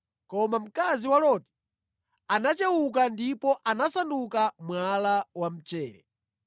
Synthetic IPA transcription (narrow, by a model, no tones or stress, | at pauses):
kɔmam̩kaziwalɔti̥ | anat͡ʃɛwuk̬andipɔʔanasandukamwalawam̩t͡ʃɛːɾɛ̰